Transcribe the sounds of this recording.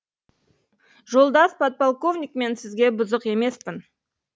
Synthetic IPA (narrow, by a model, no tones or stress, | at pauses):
ʒo̞lˠd̪ɑspat̪̚polˠko̞vnʲik̚me̞nsɪzɡʲe̞bʊzəqe̞me̞spɪn